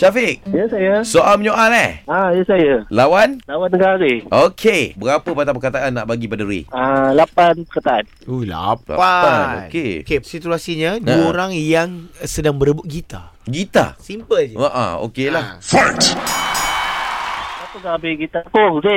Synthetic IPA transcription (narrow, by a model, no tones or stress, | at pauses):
t͡ʃafɪk̚jəsajasoʔalməɲoʔalɛhãjəsajəlawanlawanːəɡaɾiʔokʰebəɾapəpat̪apəkat̪aʔanːaʔbaɡipadəɾḭalapanpəkat̪aan | ula̰pla̰aano̰kekesit̪uasiɲədoɾaŋjaŋsədaŋbəɾəbʊt̪̚ɡit̪a̰ | ɡit̪a̰simpəld͡ʒəaʔa̰o̰kelahfɔt | at̪usaabiɡit̪akoke